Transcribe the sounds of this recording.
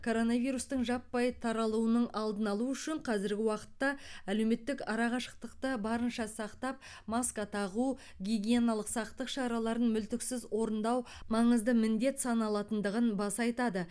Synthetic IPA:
kʰo̞ɾo̞nɑvijɾust̪əɴʒɑpːɑjt̪ʰɑɾɑlˠuənəɴɑlˠd̪ənɑlˠuʏʃɪɴqʰɑzɪɾɡʲɪwɑqə̥t̪ːɑæle̞wme̞t̪ːɪkɑɾɑʁɑʃə̥q̚t̪əqt̪əbɑɾənʃɑsɑqt̪ɑp̚ | mɑskɑt̪ʰɑʁu | ɡʲiɡʲijenɑlˠəqsɑqt̪əqʃɑɾɑlˠɑɾənmʏlt̪ɪksɪzwʔo̞ɾənd̪ɑw | mɑɴəzd̪əmɪnd̪e̞t̪sɑnɑlˠɑt̪ənd̪əʁənbɑsɑjt̪ɑd̪ə

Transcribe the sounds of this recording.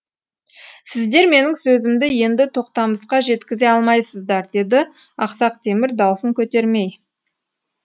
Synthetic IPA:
sɪzd̪e̞ɾme̞nɪŋsɵzɪmd̪ɪje̞nd̪ɪt̪ʰo̞qt̪ɑməsqɑʒe̞t̪kʲɪze̞ɑlˠmɑjsəzd̪ɑɾd̪e̞d̪ɪ | ɑqsɑq̚t̪ʰemɪɾd̪ɑwsəŋkʲʰɵt̪e̞ɾme̞j

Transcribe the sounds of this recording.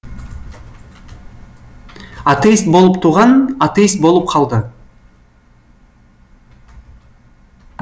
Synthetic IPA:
at̪ejst̪̚bolˠup̚t̪ʰuʁɑnat̪ejst̪̚bo̞lˠup̚qʰɑlˠd̪ɯ

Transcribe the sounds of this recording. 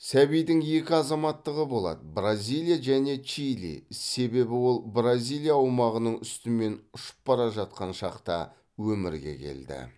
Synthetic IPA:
sæβijd̪ɪŋje̞kʲɪɑzɑmɑt̪ːəʁəbo̞lˠɑ̰d̪əbrazʲijlˠijaʒæne̞t͡ʃijlḭse̞be̞bɪwo̞lˠbrazʲilˠijaːwmɑʁənəɴʏst̪ɪme̞nʊʃə̥p̚ːɑɾɑʒɑt̪̚qɑnʃɑqt̪ɑ̰ | wɵmɪɾɡʲe̞̰kʲʰe̞̰ld̪ɪ̰

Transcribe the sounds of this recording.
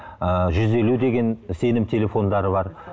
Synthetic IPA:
əʒʏze̞lud̪e̞ɡʲe̞nse̞nɪmt̪ʰe̞lʲe̞fo̞nd̪ɑɾəβɑɾ

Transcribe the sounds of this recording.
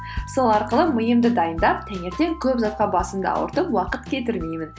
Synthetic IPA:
so̞lˠɑɾqəlˠəməjəmd̪əd̪ɑjənd̪ɑp̚t̪ʰæŋʲe̞ɾt̪e̞ŋkʲʰɵpzɑt̪̚qɑbɑsəmd̪ɑ̰ɑ̰wə̰ɾt̪əpwɑqət̪kʲʰe̞t̪̬ɪɾmejmɪn

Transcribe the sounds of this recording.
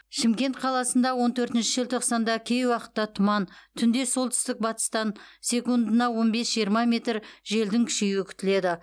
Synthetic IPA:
ʃɪmkʲe̞nt̪qʰɑlˠɑsənd̪ɑwo̞nt̪ʰɵɾt̪ɪnʃɪʒəlt̪ʰo̞qsɑnd̪ɑkʲʰe̞jwɑqə̥t̪ːɑt̪ʰʊmɑnt̪ʰʏnd̪e̞so̞lˠt̪ʰʏ̥st̪ɪk̚bɑt̪ə̥st̪ɑnsʲe̞kund̪ənɑwo̞nbe̞sʒijəɾmɑmʲe̞t̪ɾʒe̞ld̪ɪŋkʲʰɪ̥ʃejɪkʲʰʏ̥t̪ɪle̞d̪ɪ

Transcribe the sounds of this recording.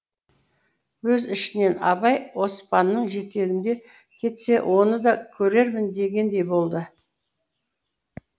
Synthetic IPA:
wɵzɪʃɪne̞nɑbɑjwo̞spɑnːəɴʒe̞t̪e̞ɡʲɪnd̪e̞ | kʲʰe̞t̪se̞wʔo̞nəd̪ɑkʲʰɵɾe̞ɾmɪnd̪e̞ɡʲe̞nd̪e̞jbo̞lˠd̪ə

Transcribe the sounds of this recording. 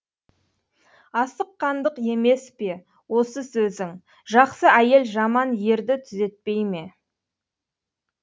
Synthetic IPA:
ɑsəqːɑnd̪əqe̞me̞spe̞ | wo̞səsɵzɪŋ | ʒɑqsəæje̞lʒɑmɑnje̞ɾd̪ɪt̪ʰʏze̞t̪̚pe̞jme̞

